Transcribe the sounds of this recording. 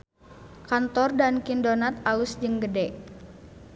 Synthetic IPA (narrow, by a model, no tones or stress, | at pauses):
kant̪ɔrdankindonat̪̚alusd͡ʒɨŋɡədɛ